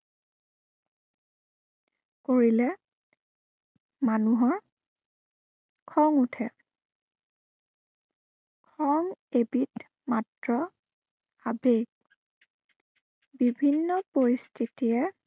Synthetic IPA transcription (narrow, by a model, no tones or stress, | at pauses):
koɹilɛ | manuɦɔɹ | kʰɔŋutʰɛ | kʰɔŋebit | matɹɔ | abek | bibʱinːɔpoɹistʰitijɛ